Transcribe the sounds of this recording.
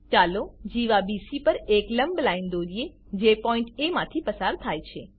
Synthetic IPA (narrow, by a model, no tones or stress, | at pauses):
t͡ʃalod͡ʒiʋabisipəɾekləmblaind̪oɾie | d͡ʒepɔĩɳʈemãt̪ʰipəsaɾt̪ʰajt͡ʃʰe